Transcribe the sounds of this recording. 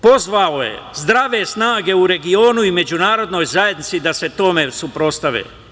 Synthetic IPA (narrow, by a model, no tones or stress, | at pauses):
po̞zʋaoje̞̰zd̪ɾaʋe̞snaːɡe̞uɾe̞ɡio̞ːnuime̞d͡ʑunaːɾo̞d̪no̞jzaje̞d̪nit̪sid̪ase̞t̪o̞me̞supɾo̞st̪aʋḛː